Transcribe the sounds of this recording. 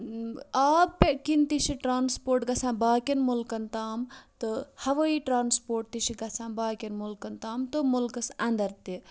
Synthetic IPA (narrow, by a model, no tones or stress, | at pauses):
aːppekint̪iʃiʈɾaːnspoːɾʈɡɐsãːbaːkenmulkɐnt̪aːmt̪ɨhɐʋəiʈɾaːnspoːɾʈ̚t̪iʃiɡɐsʰãːbaːkʲenmulkɐnt̪aːmt̪omulkɐsɐ̃nd̪ɐɾt̪i